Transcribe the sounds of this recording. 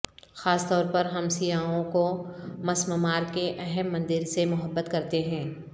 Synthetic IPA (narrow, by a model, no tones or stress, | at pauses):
xaːst̪ɔːɾpɐɾɦɐmsijaːõkomɐsməmaːɾkeʔɛɦɛmːɐ̃nd̪ɪɾsemʊɦəbːət̪kɐɾt̪eɦɛ̃ː